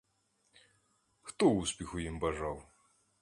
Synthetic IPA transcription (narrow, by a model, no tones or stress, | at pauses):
xt̪ɔuspʲixujimbaʐaw